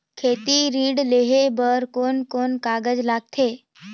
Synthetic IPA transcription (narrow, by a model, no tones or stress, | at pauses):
kʰeːt̪iɾĩːɖleːɦebəɾkoːnkoːnkaːɡəd͡ʒlaːɡ̚t̪ʰeː